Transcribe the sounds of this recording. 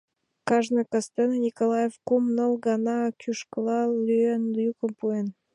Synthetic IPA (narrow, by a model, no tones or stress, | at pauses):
kɑʒnɤkɑst̪ennʲikolˠɑjefkomnəlˠɡɑnɑkʲʰyʃkəlˠɑlyenjukə̆mpuen